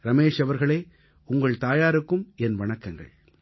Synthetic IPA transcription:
ɾɐmeːʂɐʋɐɾɣɐɭeː | ʊŋɡɐɭt̪aːjaːɾɯkːɯmɛnʋɐɳɐkːɐŋɡɐ̰ɭ

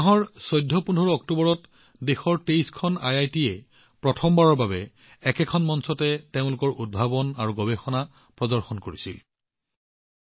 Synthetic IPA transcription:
aɦɔɹsɔjdʱːɔpunʱɔɹɔɔk̚tubɔɹɔt | dexɔɹtejskʰɔna̰jajtiɛ | pɹɔtʰɔmbaɹɔɹbabɛ | ɛkɛkʰɔnmɔnsɔtɛteʊ̃lʊkɔɹʔud̚bʱabɔnaɹuɡɔbɛxɔna | pɹɔdɔɹxɔnkoɹisḭl

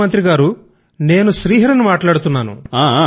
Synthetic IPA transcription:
ɐnt̪ɾiɡaːɾu | ne̞ːnuʃɾiːɦɐɾɐnumaːʈlaːɽut̪unːaːnṵaː

